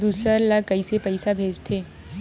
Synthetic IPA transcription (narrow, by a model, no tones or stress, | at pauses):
d̪uːsəɾlakəisepəɪsabʱeːd͡ʒt̪ʰeː